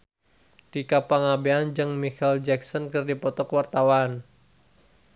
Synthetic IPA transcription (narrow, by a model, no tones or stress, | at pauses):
d̥ikapaŋabeand͡ʒɨŋmikald͡ʒɛksɔnkɨrdipɔt̪ɔkwart̪awan